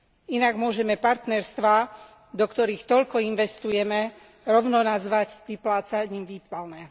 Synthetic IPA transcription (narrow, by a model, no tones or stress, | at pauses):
inaɡmʊɔʒɛmɛpaɾt̪nɛɾst̪ʋaː | d̪ɔkt̪ɔɾiːxt̪ɔʎkɔinʋɛst̪ujɛmɛ | ɾɔʊnɔnazʋaɟʋiplaːt͡saɲiːmʋiːpalnɛ